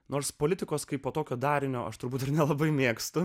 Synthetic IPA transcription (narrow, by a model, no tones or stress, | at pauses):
noːɾspoːlʲɪt̪ʲɪkoːskɐɪpːoːt̪oːkʲoːd̪ɑːɾʲɪnʲoːʔɐ̰ʃt̪ʊɾbuːt̪ɪɾnʲɛlˠɐbɐɪmʲeːkst̪ʊ